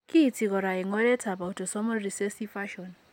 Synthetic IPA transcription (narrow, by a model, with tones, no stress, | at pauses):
kʼiː˦˨t͡sʰi˨kɔ˨ɾa˨ɛ˨ŋɔ˦lɛ˦tʰa˨ba˨u˨tʰʼɔ˨sɔ˦mɔ˦ri˨se˦si˦fa˦ʃɔ˨n